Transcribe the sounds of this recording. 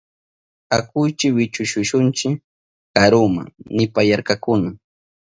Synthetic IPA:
akʊjt͡ʃɪwɪt͡ʃʊʃʊʃʊnt͡ʃɪ | kaɾʊma̰ŋnɪpajaɾkakʊna

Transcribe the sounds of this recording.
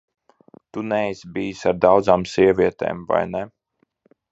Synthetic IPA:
t̪unɛjsbiːsaɾd̪awd̪zaːmsiɛvʲiɛt̪ḛːmva̰jnɛ

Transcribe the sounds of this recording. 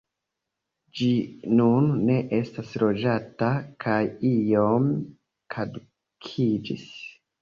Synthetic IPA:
d͡ʒinunːe̞ʔe̞stasɾo̞d͡ʒatakʰajijo̞m | kʰadu | kʰid͡ʒḭs

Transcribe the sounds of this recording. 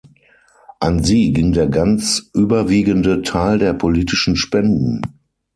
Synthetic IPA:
ʔanziːɡɪŋdeːɐɡant͡sʔyːbɐviːɡəndətʰaɪldeːɐpʰoliːtɪʃn̩ʃpɛndn̩

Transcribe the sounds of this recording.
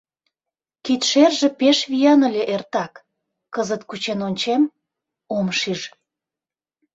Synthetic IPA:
kit̪ʃerʒĕpeʃβijɑnə̆lʲeʔert̪ɑk | kːəzət̪kut͡ɕenonʲt͡ɕem | omʃiʒ

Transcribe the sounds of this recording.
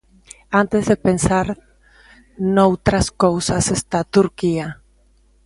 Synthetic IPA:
ant̪ezðepensaɾ | nowt̪ɾaskowsasest̪at̪uɾkia

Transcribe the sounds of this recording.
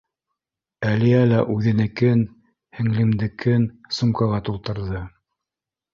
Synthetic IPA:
æliælæʔʉðɘ̆nɘ̆kɘn | hɘ̆ŋlɘ̆md̪ɘ̆kɘnsumkɑʁɑt̪ulˠt̪ɤ̆ɾðɤ

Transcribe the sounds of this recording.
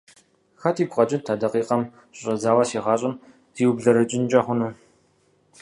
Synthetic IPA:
xɐtʰiːɡʷʁɐt͡ʃʼɪtʰadɐqiːqɐm | ɕʼɐzaːwɐsiːʁɑːɕʼɪm | z̥iːwbɮɐɾɐt͡ʃʼɪnt͡ʃʼɐχʷʊnuː

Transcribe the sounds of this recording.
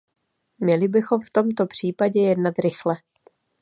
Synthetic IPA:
mɲɛlɪbɪxo̞mft̪o̞mt̪o̞pr̝̥iːpaɟɛjɛdnat̪ɾɪxlɛ

